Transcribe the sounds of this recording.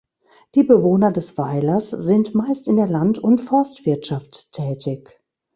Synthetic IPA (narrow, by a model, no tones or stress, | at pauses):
d̥iːbəvoːnɐdɛsv̥aɪlɐsz̥ɪntmaɪstɪndeːɐlantʊntfɔɐstv̥ɪɐtʃaftʰːɛːtɪç